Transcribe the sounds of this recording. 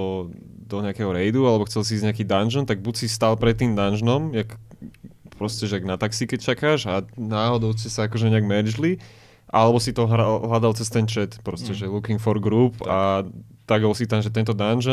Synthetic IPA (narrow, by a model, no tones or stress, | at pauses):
ɔ | d̪ɔɲɛakɛɦɔɾɛjd̪ualɛbɔxt͡sɛlsiiːzɲɛakiːd̪anʒənt̪aɡ̚bucsist̪alˠpɾɛt̪ːiːmd̪anʒnɔmjak | pɾɔscɛʒɛaɡnat̪aksikɛct͡ʃakaːʒanaːɦɔd̪ɔʊscɛsaakɔʒɛɲɛaɡmɛɾd͡ʒli | ʔalɛbɔsit̪ɔɦaɦlad̪alt͡sɛst̪ɛnt͡ʃɛt̪pɾɔscɛʒɛlukiŋkfɔɾɡɾupa | t̪aɡɦɔlsit̪anʒɛt̪ɛnt̪ɔd̪anʒ